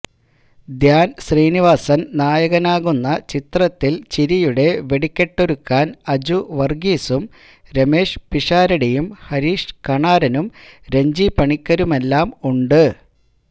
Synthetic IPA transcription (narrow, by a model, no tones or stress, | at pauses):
d̪jaːnɕriːniʋaːsɐnnaːjɐɣɐnaːɣunːɐt͡ɕit̪rɐt̪ːilt͡ɕiɾijuɽe̞ʋe̞ɽikʲːeʈːoɾukːaːnɐd͡ʑuʋɐrɡiːsum | ɾɐme̞ːʂpiʂaːɾɐɽijumhɐɾiːʂkɐɳaːɾɐnumɾe̞ɲd͡ʑipɐɳikʲːɐɾume̞lːaːmuɳɖɨ